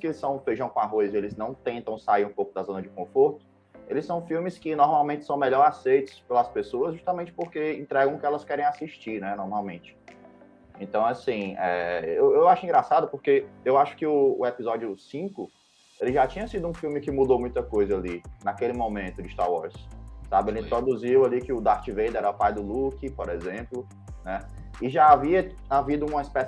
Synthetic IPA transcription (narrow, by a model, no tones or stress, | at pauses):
skelɪsɐ̃w̃fejʒɐ̃w̃kõaɦojzɪelɪznɐ̃w̃t̪ẽnt̪ɐ̃w̃saiɾũpowkʊd̪azõnɐd͡ʒɪkõfoɾt̪ʊ̥ | elɪsɐ̃w̃fiwmɪskɪnɔɾmawmẽnt͡ʃɪ̥sɐ̃w̃mɛʎɔɾasejt̪ʊ̥spelɐspesoɐzʒuʃt̪amẽnt͡ʃɪ̥poɾkeẽnt̪ɾɛɡɐ̃kɪɛlɐskɛɾẽj̃asiʃt͡ʃiɾnɛnɔɾmawmẽnt͡ʃɪ̥ | ẽnt̪ɐ̃w̃asĩɛewewaʃʊĩŋɡɾasad̪ʊpoɾkeewaʃʊ̥kɪʊːɛpizɔd͡ʒjʊsĩkʊ | elɪʒat͡ʃĩɲɐsid̪ʊũfiwmɪkɪmud̪owmũj̃t̪ɐkojzɐalinakelɪmõmẽnt̪ʊd͡ʒɪst̪a̰ɾwɔɾssabɪelɪĩt̪ɾod̪uziwalikɪʊd̪aɾt͡ʃɪvejd̪ɛɾɛʊpajd̪ʊlukipoɾɛzẽplʊ | nɛ | ɪʒaaviɐ | avid̪ʊũmɐispɛs